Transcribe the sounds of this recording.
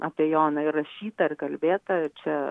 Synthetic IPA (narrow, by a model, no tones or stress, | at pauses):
ʔɐpʲiɛjoːnɐɪrːɐʃʲiːt̪ɐɪrkɐlʲbʲeːt̪ɐɪt͡ʃʲɛ